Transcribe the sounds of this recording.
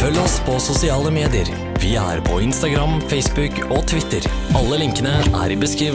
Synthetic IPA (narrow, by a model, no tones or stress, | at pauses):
fœlːəɔspʰɔsʊsɪɑːləmeːd̪ɪəɾ | ʋɪæ̰ɾpʰɔ̰ɪnst̪ɑɡɾɑmfɛɪsbʉk | ɔt̪ʰʋɪt̪ːəɾ | ɑlːəlɪŋkənəʔæ̰ɾɪbəskɾiːʋ